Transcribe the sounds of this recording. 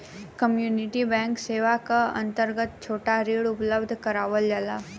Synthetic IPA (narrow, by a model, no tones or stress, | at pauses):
kəmjuːnɪʈibɛ̃ːŋkseːʋakaɐ̰̃nt̪əɾɡət̪̚t͡ʃʰoːʈaɾeːɽʊpləbd̪ʱkɐɾaːʋəld͡ʒalaː